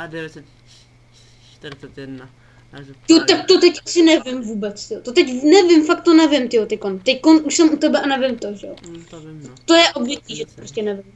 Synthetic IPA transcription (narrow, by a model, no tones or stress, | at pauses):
t̪ɪot̪ak̚t̪ot̪ɛcʔasɪnɛvɪmvuːbɛt͡st̪ɪot̪ot̪ɛcnɛvɪmfak̚t̪ːonɛvɪmt̪ɪot̪ɛc̚kont̪ɛckonʔuʃsɛmut̪ɛbɛʔanɛvɪmt̪oʒɛo | t̪ojɛʔodvɪkiːʒɛt̪opɾoscʲɛnɛvɪm